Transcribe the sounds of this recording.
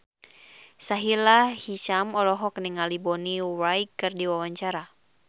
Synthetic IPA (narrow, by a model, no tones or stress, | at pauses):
saɦilahiʃamɔlɔɦɔkniŋalibɔniwajkːɨrdiwawaɲt͡ʃaɾa